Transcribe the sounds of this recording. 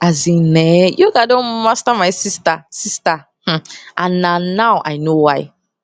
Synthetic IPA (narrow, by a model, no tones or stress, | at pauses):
azĩnɛjoɡadõnmastamaɪsistasista | h̩ʔãnːãnawʔa̰ɪnowaɪ